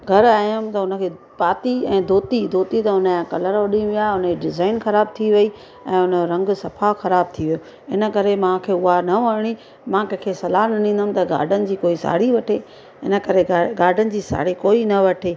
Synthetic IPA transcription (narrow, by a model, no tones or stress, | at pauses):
ɡʱɐɾaːjəmt̪ɐʊnə̆kʰeː | paːt̪iɛ̃ːd̪ʱoːt̪id̪ʱoːt̪it̪ɐʊnəjãkɐləɾʋɐɗĩũʋijaːʊnəkeɖɪzaːɪnxɐɾaːb̚t̪ʰiʋɐi | ɛ̃ːʊnə̆ɾɐ̃ŋɡsɐfʰaxɐɾaːb̚t̪ʰiʋijoː | ɪnə̆kɐɾemãkʰeːʊɦanɐʋɐɾɽ̃i | mãːkɛ̃ːkʰesɐlaːnɐnĩːn̆d̪əm̆t̪ɐɡa̰ːɾɖʱənɪ̆d͡ʑiːkoːisa̰ːɽiʋɐʈʰeː | ɪ̰nə̆kɐɾeɡaːɾɖʱənɪ̆d͡ʑiːsa̰ːɽikoːinɐʋɐʈʰeː